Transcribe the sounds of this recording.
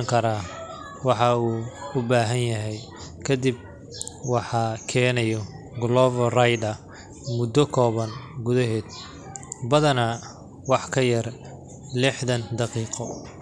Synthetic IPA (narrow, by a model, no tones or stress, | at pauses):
ŋkʰɐɾaː | wɑħɑuːʊbaːɦɐnjɐɦɛj | kʰɐd̪ib̚ | wɑħɑkʰɛːnɐjɔ | ɡlɔvɔrajd̪ɐ | mʊd̪ɔkʰɔːβɐnɡʊðɐɦɛːd̪̚ | bɐðɐnɐ | wɑħkʰɐjɐr | lɪħðɐnd̪ɑqiːqɔ